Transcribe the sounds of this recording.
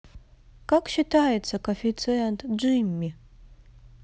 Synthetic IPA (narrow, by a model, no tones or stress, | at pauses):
kakʷʰʼʃitʰaːjt͡sʰakʰofit͡sʰɨjantʰʼd͡ʒɨjmːi